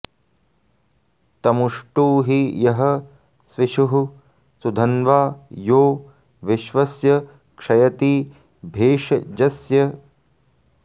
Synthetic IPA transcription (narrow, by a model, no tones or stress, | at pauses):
t̪ɐmuʂʈuːɦijɐɦɐ | sʋiʃuɦu | sud̪ʱɐnʋaːjoː | ʋiʃʋɐsjɐ | kʂɐjɐt̪iː | bʱeːʂɐd͡ʒɐsjɐ